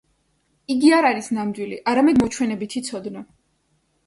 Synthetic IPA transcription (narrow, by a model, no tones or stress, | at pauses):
iɡiaɾaɾisnamd̪wiliʔaɾamɛd̪mɔt͡ʃʰwɛnɛbit̪ʰit̪sʰɔd̪nɔ